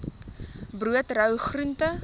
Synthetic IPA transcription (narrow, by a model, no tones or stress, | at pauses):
bruətrœwχruntə